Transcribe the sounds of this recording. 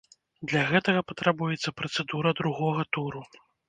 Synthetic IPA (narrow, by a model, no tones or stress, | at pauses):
d̪lʲaɣɛt̪ɐɣɐpɐt̪ɾabujɛt̪sːɐpɾɐt̪sɛd̪uɾɐd̪ɾuɣɔɣɐt̪uɾu